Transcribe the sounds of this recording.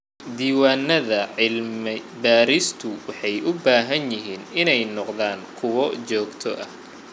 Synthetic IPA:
d̪iːwaːnɐðɐʕɪlmɪbaːɾist̪ʰʊwɑħɑjʔʊbaːɦɐnjɪɦiːnɪnɛjnɔqðaːŋkʰʊwɔt͡ʃɔːɡt̪ʰɔʔɐ

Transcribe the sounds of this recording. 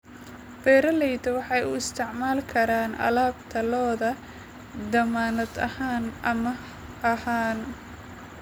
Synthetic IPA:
b̥ɛːɾɐlɛjd̪ɐwɑħɑjʊɪst̪ʰɪʕmaːlkʰɐɾaːnʔɐ̰laːb̚t̪ʰɐlɔːðɐ | d̪ɐmaːnɐd̪ɐhaːnʔɐmɐ | ʔɐhaːn

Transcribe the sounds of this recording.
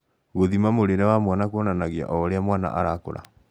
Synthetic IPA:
ɣoðimamoɾeɾɛwamwanakonanaɣea̰ʔɔɾeamwana̰ʔa̰ɾako̰ɾa̰

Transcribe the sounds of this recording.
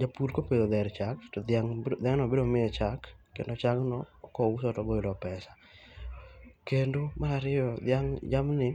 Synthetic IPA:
d͡ʒapuɾkopedod̪ɛɾt͡ʃaktdaŋd̪aŋnɔbeɾomɪɛt͡ʃakːendot͡ʃaknɔkɔusɔtɔboilɔpɛsa | kendomaɾaɾɪjɔd̪jaŋd͡ʒamnɪ

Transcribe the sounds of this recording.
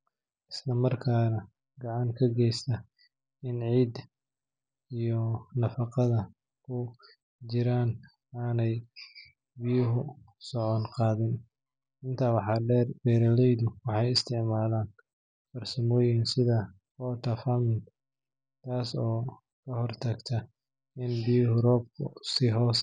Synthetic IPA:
ʔɪslɐmɐrkʰaːnɐ | ɡɑʕɑŋkʰɐɡɛjst̪ɐ | ɪnʕiːd̪ | ijɔnɐfɑqɑðɐ | kʰʊ | t͡ʃɪɾaːn | aːnɛj | bɪjʊɦʊsɔʕɔnqɑːðɪn | ɪnt̪ʰɐːwɑħɑɖɛːrbɛːɾɐlɛjðʊwɑħɑjɪst̪ʰɪʕmaːðaːn | fɐrsɐmɔːjɪnsɪðɐ | fɔːt̪ʰɐfɐmɪnt̪ | t̪ʰaːsɔː | kʰɐɦɔrt̪ʰɐɡt̪ʰɐ | ɪnbɪjʊɦʊrɔːb̚kʰʊ̰sɪɦɔːs

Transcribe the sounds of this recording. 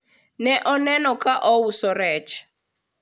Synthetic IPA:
nɛʔɔnɛnɔkʰaʔɔwusɔɾɛt͡ʃ

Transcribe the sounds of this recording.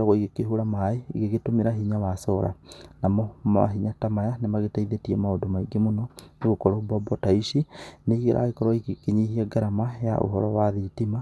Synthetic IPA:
aɣɔiɣekeɦuɾamaeiɣeɣetomeɾaɦiɲawasɔɾa̰namɔma̰ɦiɲatamajanemaɣetaiðetiɛmaodomaiɡemonɔneɣokɔɾobɔbɔtaiʃineiɣeɾʔa̰ɣekɔɾɔikekeɲihiɛɡaɾamaja̰ʔo̰ɦɔɾɔwaðiːtima

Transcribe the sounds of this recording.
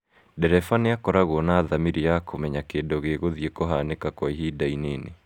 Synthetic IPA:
dɛɾɛfaneakɔɾaɣwɔnaːðamiɾiakʰomɛɲakeːndoɣeɣoðiekoɦanekakwɔiɦidaineːnḛ

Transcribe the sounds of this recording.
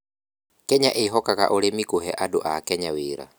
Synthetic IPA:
kɛɲaʔeɦɔkaka̰ʔoɾemikuɦɛʔadoʔakɛɲawiɾa̰

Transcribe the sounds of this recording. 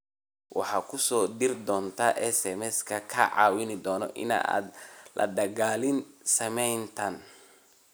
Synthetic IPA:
wʔɑħɑːkʰʊsɔːd̪ɪrd̪ɔːnt̪ʰaʔɛsɛmɛskʰɐkʰɐʕɑ̰ːwɪnɪd̪ɔːnɔ̰ʔɪ̰na̰ʔa̰ːd̪lɐ̰ɖ̪ɐɣaːlɪnsɐmɛjnt̪ʰɐn

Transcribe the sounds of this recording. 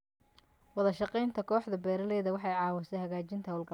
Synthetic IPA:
wɑðɐʃɑqɛjnt̪ʰɐkʰɔːħdðɐbɛːɾɐlɛːðɐwɑħɑjʕɑːwɐsɛjhɐɣaːt͡ʃɪnt̪ʰɐhɐlɡɐ

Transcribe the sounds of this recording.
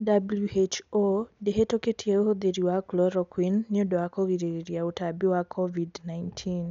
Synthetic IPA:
dabluet͡ʃodeɦetoketʰieoɦod̪eɾiwaklɔɾɔkwinːjodɔakoɣiɾeɾiɾjautabiwakʰɔvidnajntʰin

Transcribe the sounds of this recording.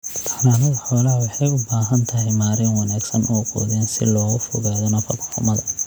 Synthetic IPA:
t̪ʰɐ̥ħnaːnɐðɐħɔːlɐɦɐwɑħɑjʊbaːɦɐnt̪ʰɐɦɛjmaːɾɪnwɑnaːɡsɐnʔɔːqɔ̰ːðɛːnsɪ̰lɔːɣʊfɔɣaːðɔnɐfɐkħɔ̰ːmɐðɐ

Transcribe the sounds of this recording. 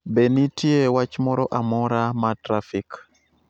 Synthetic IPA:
benitjewat͡ʃmɔɾɔʔamɔɾamatɾafik

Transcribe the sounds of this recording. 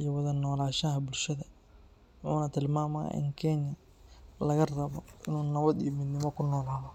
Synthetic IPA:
ijɐwɐðɐnɔːlaːʃahɐbʊlʃɐðɐ | wʊħṵːnɐt̪ʰɪlmaːmɐ̰ʔɪ̰ŋkʰɛɲɐ | lɐɣɐrɐβɔʔɪnuːnɐβɐd̪ḭjɔmɪd̪nɪmɔkʰʊnɔːlaːðɔ

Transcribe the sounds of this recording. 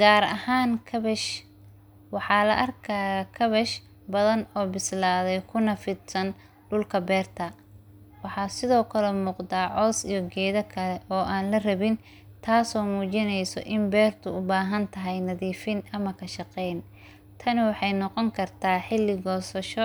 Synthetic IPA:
ɡ̥aːɾɐ̰haːŋkʰɐβɛʃ | wɑħɑːlɐ̰ʔɐrkʰaɣɐkʰɐβɛʃ | bɐðɐnɔːbɪslaːðɛjkʰʊnɐfɪd̪sɐn | ɖʊlkʰɐbɛːrt̪ʰɐ | wɑħɑːsɪðɔːkʰɐlɛmuːqd̪aːʕɔːsijɔɡɛːðɐkʰɐlɛʔɔːʔaːnlɐrɐβɪn | t̪ʰaːsɔːmuːt͡ʃɪnɛjsɔ̰ʔɪmbɛːrt̪ʰʊʊbaːɦɐnt̪ʰɐɦɛjnɐðiːfɪnʔɐmɐkʰɐʃɑqɛjn | t̪ʰɐnɪwɑħɑjnɔqɔŋkʰɐrt̪ʰaːħɪlːɪɡɔːsɐʃɔ

